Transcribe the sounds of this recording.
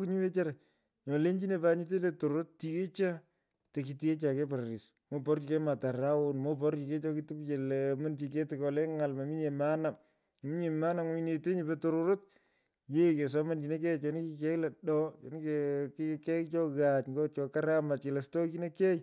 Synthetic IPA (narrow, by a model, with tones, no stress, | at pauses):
ki˦ɲu˦we˦t͡ʃa˦ɾa˨ | ɲɔ˨le˦ɲd͡ʒi˦ne˨pa˦ɲi˦t̬e˦letoɾoɾo˦tti˦ɣe˦t͡ʃa˦ | te˨ki˨ti˦ke˦t͡ʃa˨ke˦pa˨ɾɾi˨s | mo˦pɔ˦ɾt͡ʃi˨kɛ˦ma˨ta˨ra˦onmo˦p̬ɔ˦ɾt͡ʃi˨ke˦t͡ʃɔ˦ki˦ti˦pt͡ʃe˨lma˦ndi˨ke˦tɪkɔ˨lɛ˦ŋa˨lma˨mi˦ɲe˨ma˦na˨ŋ | m˨mi˦ɲe˨ma˦na˨ŋ˦i˨ne˨te˦ɲibe˦toɾoɾo˦t | je˦ke˨s̬a˦ma˦ndi˨ne˦k̬ɛ˦t͡ʃɔ˨ni˦ki˧kɛ˦klɛ˨ɗɔ˦t͡ʃɔ˨ni˦kekkɛ˦kt͡ʃɔ˦ɣat͡ʃŋɡo˦t͡ʃɔ˨ka˦ɾama˨t̚ke˨le˨stɔ˦ki˦ne˦kɛ˦j